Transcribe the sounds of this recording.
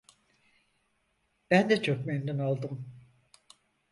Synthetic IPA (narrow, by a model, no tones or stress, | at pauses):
b̥ænd̪ɛt͡ʃʰok̚mend̪ɛnalˠd̪ɯm